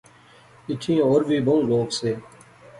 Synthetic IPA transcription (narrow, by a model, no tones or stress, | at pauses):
ɪʈ̪ʰĩːoːɾʋʱiːbʱəũːloːkseː